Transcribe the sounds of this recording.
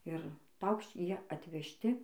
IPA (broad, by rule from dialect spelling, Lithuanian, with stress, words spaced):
ɪr ˈpɐʊkʃʲt͡ʃʲ ˈjiɛ ɐtʲʋʲɛʃʲˈtʲɪ